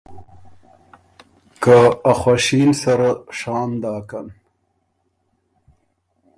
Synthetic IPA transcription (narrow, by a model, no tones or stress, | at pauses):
kaaxwaʃinsaɾaʂɑːnd̪ɑːkan